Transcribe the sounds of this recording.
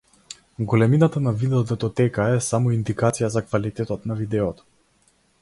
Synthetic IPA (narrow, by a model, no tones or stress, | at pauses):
ɡɔlɛminat̪anavid̪ɛɔd̪ɛt̪ɔt̪ɛkaɛsamɔind̪ikat̪sijazakvalit̪ɛt̪ɔt̪navid̪ɛɔt̪ɔ̥